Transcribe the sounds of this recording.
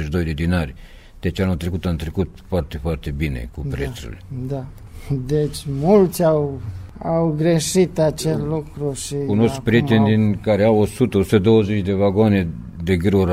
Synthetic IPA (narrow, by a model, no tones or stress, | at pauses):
eʃd̪ojd̪ed̪inaɾʲ | t̪et͡ʃanot̪ɾekut̪ant̪ɾekut̪fart̪efart̪ebinḛkupɾet̪ɾṵled̪a | d̪et͡ʃʲmult̪sʲawawɡɾeʃit̪at͡ʃeslukɾuʃikonoss̚pɾit̪end̪inkaɾeawosut̪ost̪ed̪owzet͡ʃd̪evaɡone | d̪eɡɨɾoɾ